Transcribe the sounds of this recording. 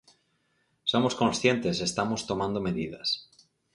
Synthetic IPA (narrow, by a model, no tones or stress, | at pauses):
so̞moskõ̞nsθje̞nt̪e̞se̞st̪amost̪o̞mãnd̪ome̞ðiða̰s